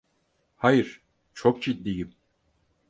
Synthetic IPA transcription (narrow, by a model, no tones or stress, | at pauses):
hajɯɾ̥ | t͡ʃʰo̞k̚d͡ʒid̪ːijim